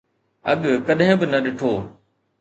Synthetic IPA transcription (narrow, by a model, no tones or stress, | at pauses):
ɐ̰ɠkɐɗɦɪ̃bɪnɐɗɪʈʰoː